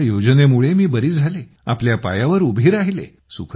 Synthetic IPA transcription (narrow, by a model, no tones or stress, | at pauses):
jod͡znemuɭemiːbəɾiːd͡zʱale | a̰pljapa̰jaʋəɾubʱiːɾaɦilḛ | sukʰ